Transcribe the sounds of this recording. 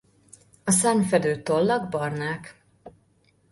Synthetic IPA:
ɒsamfɛd̪øːt̪olːɒɡbɒrnaːk

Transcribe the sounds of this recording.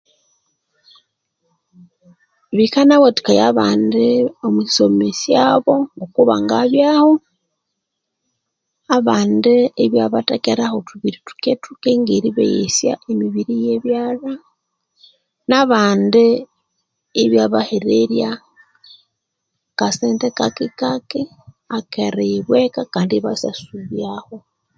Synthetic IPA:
βikanaβoti̥kajaβaːndeomwisomesjaβo̞okuβa̰ŋɡaβjaho̞ | aβaːndeːβjaβatekeɾahotuβiɾitu̥ketukeŋɡeɾiβḛjḛsja̰ʔemiβiɾijeβjaːla | naβaːndeː | βjaβaheɾeɾja | kaseːntekakikaki | akeɾeiβwekakaːndiβasasuβjaho̞

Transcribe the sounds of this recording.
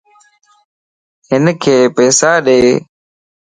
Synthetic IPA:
ɦɪnkʰeːpɛːsaːɗeː

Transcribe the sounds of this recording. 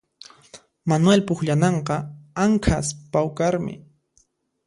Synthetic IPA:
manwelpʊxʎanɑɴqɑaŋkʰaspawkaɾmɪ̰

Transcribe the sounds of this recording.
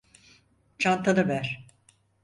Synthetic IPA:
t͡ʃʰant̪ʰad̪abæɾ

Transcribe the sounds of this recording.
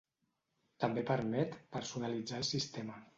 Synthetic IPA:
t̪əmbepəɾmɛt̪pəɾsunalid͡zaəlˠsist̪emə

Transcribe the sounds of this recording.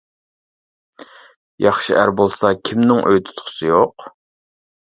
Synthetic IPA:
jɑχʃiʔæɾbolˠsɑkʲʰimnɪŋʔø̰jt̪ʰʊ̥t̪ʰχʰʊ̥sɨjoq

